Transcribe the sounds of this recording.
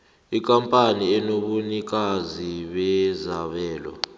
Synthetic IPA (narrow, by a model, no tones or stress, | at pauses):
ik̬ʼampʼaniɛnoɓunik̬ʼaziɓɛzaɓɛːlɔ̰